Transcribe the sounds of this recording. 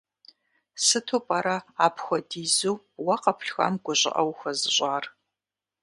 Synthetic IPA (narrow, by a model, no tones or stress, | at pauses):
sɨtʰopʼɐɾɐaːpxʷɔdiːzuw | wɐqɐpʰɬxɐ̰mɡʷʊɕʼɪ̰ʔɐwxʷɐzɨɕʷʼaːr